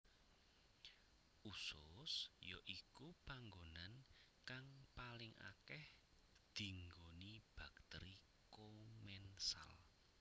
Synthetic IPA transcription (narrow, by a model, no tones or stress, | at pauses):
ʔusʊsjoʔikupaŋɡonan | kaŋpalɪŋa̰kɛh | d̪̥i̤ŋɡonib̥a̤k̚t̪ɛɾi | komɛnsa̰l